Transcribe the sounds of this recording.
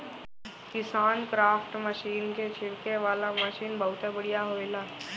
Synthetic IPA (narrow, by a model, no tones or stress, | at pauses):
kɪsaːnkɾaːfʰʈməʃiːnket͡ʃʰɪɽkeʋaːlaməʃiːnbɐɦʊt̪ɛbɐɽijaɦoːelaː